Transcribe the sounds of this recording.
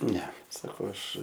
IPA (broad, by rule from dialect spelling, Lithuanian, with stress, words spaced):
ˈnʲɛ sɐˈkɐʊ ˈɐʃ